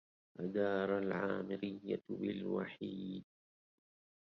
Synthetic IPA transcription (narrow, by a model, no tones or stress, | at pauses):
ʔad̪ɑːɾˤalʕaːmɪɾɪjːabɪlwa̰ħiːd̪̚